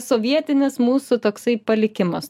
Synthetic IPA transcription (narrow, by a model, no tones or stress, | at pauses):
soːʋʲiɛt̪ʲɪnʲɪsmuːsut̪oːksɐɪpɐlʲɪkʲɪmɐs